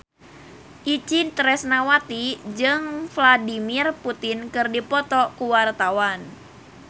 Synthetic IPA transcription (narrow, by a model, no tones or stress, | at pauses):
ʔit͡ʃit̪ɾɛsnawat̪id͡ʒɨŋfladimirput̪inkɨrdipɔt̪ɔkuwart̪awan